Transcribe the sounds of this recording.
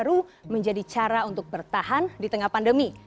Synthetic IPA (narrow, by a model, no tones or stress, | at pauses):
ɾuməɲd͡ʒadit͡ʃaɾaunt̪ʊk̚bərt̪aɦandit̪əŋahpandəmi